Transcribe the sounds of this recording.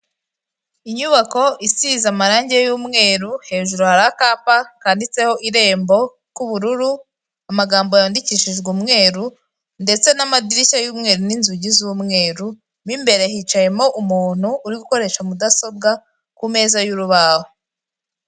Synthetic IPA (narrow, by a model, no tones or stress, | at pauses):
iɲuβako̞ʔisizamaɾaːɲɟe̞juːmŋe̞ːɾuhe̞ːʒuɾuhaɾaakaːpakaːndit͡se̞ho̞ʔiɾe̞ːmbo̞ | kuβuɾuɾu | amaɡaːmbo̞jaːndiciʃiʒɡuːmŋe̞ːɾu | nde̞t͡se̞namadiɾiʃajuːmŋe̞ːɾuninzuɟizumŋe̞ːɾu | mimbe̞ɾe̞hit͡ʃaje̞mo̞ʔumuːn̥uːɾiɡuko̞ɾe̞ʃamudaso̞b̚ɡa | kume̞ːzajuɾuβaho